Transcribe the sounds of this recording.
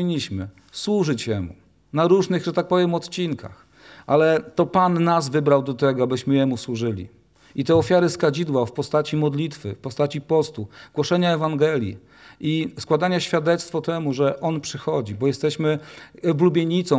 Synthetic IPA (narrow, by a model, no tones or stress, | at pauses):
iɲːiɕmɘ | swuʐɘt͡ɕjɛmṵ | naɾuʐnɘɣʐɛt̪ak̚pɔvʲjɛmɔt̪t͡ɕinkʰa̰x | ʔalɛt̪ɔpanːazvɘbɾawd̪ɔt̪ɛɡɔabɘɕmɘjɛmuswuʐɘlʲḭ | it̪ɛɔfʲjaɾɘskad͡ʑid̪wafpɔst̪at͡ɕimɔd̪lʲit̪fɘfpɔst̪at͡ɕipɔst̪uɡwɔʂɛɲaɛvaŋɡɛlʲjḭ | ʔiskwad̪aɲaɕfʲjad̪ɛt̪st̪fɔt̪ɛmuʐɛʔɔnpʂɘxɔd͡ʑibɔjɛst̪ɛɕmɘblubʲjeɲit̪sɔ̃